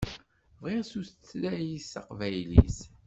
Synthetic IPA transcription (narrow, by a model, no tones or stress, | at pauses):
vʁiʁsuslæjisɑqvæjlḭs